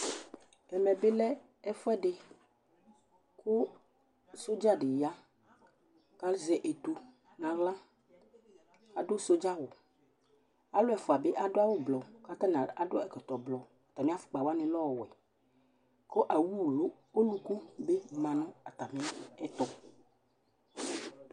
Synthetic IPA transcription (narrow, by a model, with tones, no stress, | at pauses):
ɛ˨mɛ̃˨be˦lɛ˦ | ɛ˦fɔ˦ɛ˦ɖe˨ | ko˦ | so˦d͡ʒa˦ɖe˨ja˦ | ka˦lzɛ˨ʔe˨t̪u˨ | nã˨ɣlã˦ | a˨ɖo˦so˦d͡ʒa˦wo˨ | a˦lo˦ɛ˨fɔ˨a˨be˦ʔa˨ɖo˦a˦wo˦blɔ˨ka˦t̪ã˦nã˨a˨ɖo˦ɛ˨kɔ˨t̪ɔ˨blɔ˨t̪a˨mẽ˦a˦fu̥˨k͡pa˨wa˦nẽ˨lɔ˦˨wo˨ɛ˨ | ko˦ʔa˨wu˦˨lo˦ | o˦lu˦ku˦be˦mã˨nɔ̃˦a˨t̪a˨mẽ˦ɛ˦t̪ɔ˦